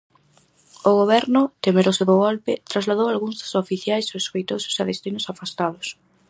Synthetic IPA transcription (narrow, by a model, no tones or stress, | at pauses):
ʊɣoβ̞ɛɾnʊt̪emeɾosoðʊɣolpɪt̪ɾazlaðowalɣuŋzðʊ̥sofiθjajsoeskejt̪osʊ̥saðest̪inʊsafast̪aðʊs